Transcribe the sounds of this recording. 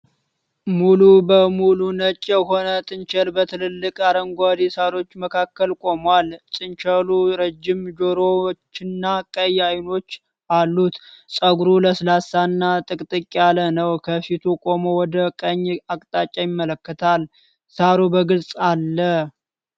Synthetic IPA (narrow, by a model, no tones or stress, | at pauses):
mulubəmulunət͡ʃʼːɛɦo̞nət̪ʼɨnt͡ʃɛlbət̪ʰɨlɨlːɨkʼaɾəŋɡʷad̪isaɾo̞t͡ʃːməkʰakːəlkʼo̞mwalsʼɨnt͡ʃəluɾəd͡ʒːɪmd͡ʒoɾot͡ʃːɪnːakʼəjajno̞t͡ʃː | ʔalːut̪sʼəɡɾuləslasanːat̪ʼɨkʼt̪ʼɨkʼːalənəwkʰəfit̪ʰukʼo̞mowɔd̪əkʼəɲːakʼt̪ʼat͡ʃʼajɪmːələkːət̪ʰal | saɾobəɡɨlsʼalːəh